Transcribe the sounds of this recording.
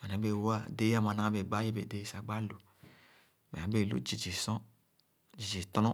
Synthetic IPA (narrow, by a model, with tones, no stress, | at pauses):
a˨nã˨˦be˦˨wo˦a˦˨de˦a˦˨mã˨nã˦be˨ɡ͡ba˦je˦be˨de˦sa˨ɡ͡ba˦lu˨ | mḛ˨nã˨˦be˦˨lṵ˦d͡ʒi˨d͡ʒi˨sɔ̃˦ | d͡ʒi˨d͡ʒi˨t̪nɔ̃˦